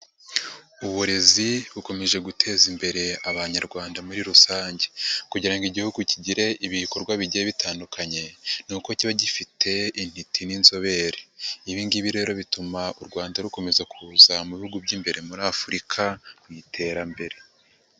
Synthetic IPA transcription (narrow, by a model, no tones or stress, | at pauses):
uβuɾe̞ziβuko̞me̞ʒe̞ɡutʰe̞ːzimbe̞ɾe̞aβaɲaɾɡwaːndamuɾiɾusaːɲɟe̞kuɟiɾaŋɡiɟihuɡuciɟiɾe̞ʔiβiko̞ɾɡwaβiɟieβitaːndukʰaɲe̞nuːko̞ciβaɟifitʰe̞in̥hitʰininzo̞βe̞ɾeiβiːnɡiβiɾe̞ːɾo̞βitumauɾɡwaːndaɾuko̞me̞zakʰuːzamuβihuɡubɟiːmbe̞ɾe̞muɾafuɾikʰamwitʰe̞ːɾambe̞ɾe̞